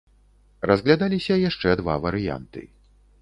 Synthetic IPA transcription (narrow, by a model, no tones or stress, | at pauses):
rɐzɣlʲad̪alʲisʲɐjaʂt͡ʂɛd̪va̰vɐɾɨja̰nt̪ɨ̰